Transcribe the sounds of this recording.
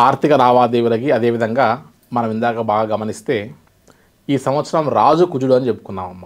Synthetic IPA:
aːɾt̪ʰikɐɾaːʋaːd̪eːʋulɐkiɐd̪eːʋid̪ʱɐŋɡaː | mɐnɐmind̪aːɡaːbaːɡaːɡɐmɐnist̪e̞ː | iːsɐmʋɐt̪sɐɾɐmɾaːd͡ʒukud͡ʒuɽuɐnit͡ʃe̞pːu̥kunːaːmɐmːa

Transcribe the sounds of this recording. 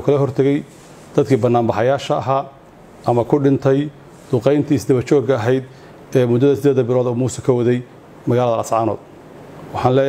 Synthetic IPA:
kʰɐlɐɦɔrt̪ʰɐɣɛj | d̪̥ɐd̪kʰiːbɐnːaːmbɑħɑjaːʃɐːɦaː | ʔɐmɐkʰʊɖɪnt̪ʰɛj | d̪̥ʊqɛjnt̪ʰiːsd̪ɐβɐt͡ʃɔːɡɐːɦɛjd̪ | ɛːmʊd̪ːɐðɐsɪd̪eːðɐbɪlɔːðɔːmuːsɛkʰɐwɐðɛj | mɐɣaːlɐðɐʔɐsʕɑːnɔ̰ːd̪̚ | wɑħɑːnlɛː

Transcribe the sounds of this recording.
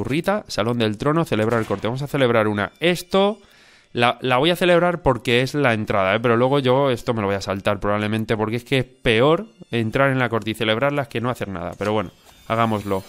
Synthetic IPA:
urit̪asalo̞nd̪e̞lt̪ɾo̞no̞θe̞le̞β̞ɾaelko̞ɾt̪eβamosaθe̞le̞β̞ɾaɾuna̰e̞st̪o̞ | lalaβ̞o̞jaθe̞le̞β̞ɾaɾpo̞ɾke̞e̞zlae̞nt̪ɾaðaepe̞ɾo̞lwe̞ɣ̞o̞ʝo̞e̞st̪o̞me̞loojasalt̪aɾpɾoaβle̞mẽnt̪e̞po̞ɾkeeskeespe̞o̞ɾe̞nt̪ɾaɾe̞nlako̞ɾt̪eiθe̞le̞β̞ɾaɾlaeke̞no̞aθe̞ɾna̰ða̰pe̞ɾo̞βwe̞no̰ | aɣ̞amo̞zlo̞

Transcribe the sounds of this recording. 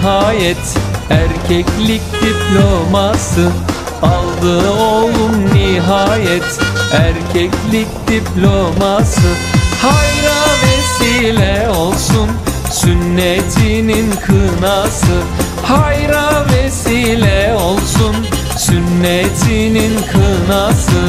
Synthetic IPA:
ɦaːjɛt̪æɾcʰɛclʲic̚d̪iplʲomasɯ | alˠd̪ɯolˠumːiɦaːjɛt̪æɾcʰɛclʲic̚d̪iplʲo̞masɯ | hajɾavesiːlʲɛo̞lˠsun | synːet̪ʰininkʰɯnasɯ | hajɾavesiːlʲɛo̞lˠsun | synːet̪ʰininkʰɯnasɯ

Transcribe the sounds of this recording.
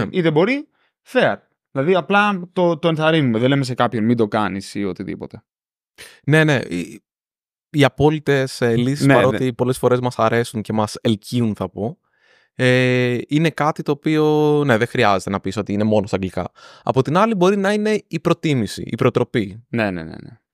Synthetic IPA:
it̪ebo̞ɾi | feɐɾ | ðilɐðiɐplɐt̪ot̪o̞enθɐɾinumeðelemes̬ekɐpçonmind̪o̞kɐnisio̞t̪iðḭpo̞t̪e | ne̞ne̞i | iɐpo̞lit̪e̞selisispɐot̪ipo̞le̞sfo̞ɾe̞zmɐsɐɾe̞sunce̞mɐselciunθɐpo | eine̞kɐt̪it̪o̞ːpio̞ne̞ðexɾiɐze̞t̪enɐpiso̞t̪iine̞mo̞nost̪ɐɡlikɐ̰ɐ̰po̞t̪inɐlibo̞ɾinɐine̞ipɾot̪imisḭʔḭpɾot̪ɾo̞pine̞nḛnḛnḛ

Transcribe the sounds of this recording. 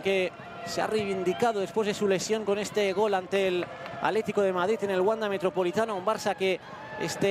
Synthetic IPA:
ŋke̞ | sea̰rejβ̞ind̪ikað̞o̞ð̞espwe̞zðe̞sule̞sjo̞ŋko̞ne̞st̪eɣ̞o̞lant̪e̞la̰le̞t̪iko̞ð̞e̞mað̞ɾit̪e̞ne̞lɣwand̪ame̞t̪ɾo̞po̞lit̪anoumbaɾsake̞ | ḛst̪e

